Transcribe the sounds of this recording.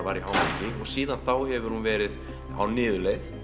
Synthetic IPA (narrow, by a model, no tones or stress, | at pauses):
vaːɾiɦaːwmacɪɔɣsiːðanθawhɛvʏɾ̥hunvɛːɾɪð | a̰wnɪːðʏleθ